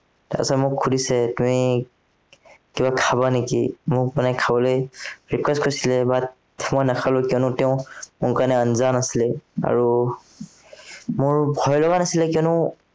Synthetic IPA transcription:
ta̰a̰sɔmʊkʰːudisɛtumi | kibakʰabanekimʊpanajkʰabɔlojɹikwɛskɔɹisilɛbatʰ | mɔjnakʰalʊkiɔnʊtɛʊ̃mʊkanɛanzanasilɛa̰ɹu | mʊɹbʱɔjlɔɡanasilɛkiɔnʊ

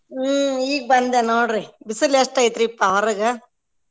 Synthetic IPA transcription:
iːɡ̚bɐnd̪enoːɽɾibisɐleʂʈɐjit̪ɾiːpːaɐɾɐɡɐ

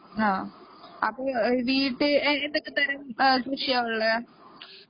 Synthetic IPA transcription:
aːɐpːoːʋiːʈːɨend̪okːɨt̪ɐɾɐmkɾuʂijaːʋɐɭːɐ

